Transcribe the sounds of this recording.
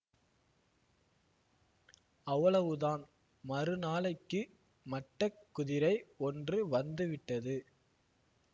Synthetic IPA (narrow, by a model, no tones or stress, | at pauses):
ɐʋːɐɭɐʋɯðaːn | mɐrɯnaːɭɐɪkːɯ | mɐʈːɐkːʊðɪɾɐɪɔndrɯʋɐnd̪ɯʋɪʈːɐðɯ